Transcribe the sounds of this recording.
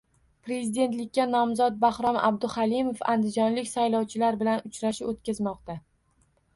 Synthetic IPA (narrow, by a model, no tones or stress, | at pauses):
pɾe̞zid̪e̞nt̪lɪk̚ʲːanɒmzɒt̪̚bahɾɒma̰b̚d̪ʊhalimofa̰nd̪ɪd͡ʒɒnlɪkʲsajlɒwt͡ʃʰɪlaɾbɪlanʊt͡ʃɾaʃɪot̪kʲazmɒqt̪a